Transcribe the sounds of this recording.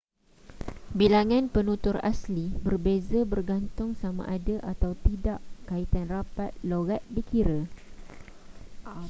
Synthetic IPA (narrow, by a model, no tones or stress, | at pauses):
bilaŋãnpənũt̪ʊra̰slibərbezabərɡant̪ʊŋsamã̰ʔadaʔat̪awt̪idaʔkait̪anrapat̪̚loɣat̪̚dikiɾə